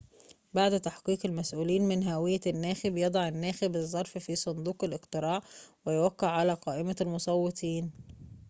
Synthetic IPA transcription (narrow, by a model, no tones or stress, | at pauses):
baʕd̪t̪aħqiːqɪlmæsʔuːliːnmɪnɦæwɪjːænːæːxɪbjɑd̪ˤɑʕɪnːæːxɪbɨzˤːɑɾˤffiːsˤond̪ˤuːqɪlʔɪqt̪ɨɾɑːʕwɪjwækːɪʕːalæːqɑːʔɪmælmosˤɑwːet̪ʰˤiːn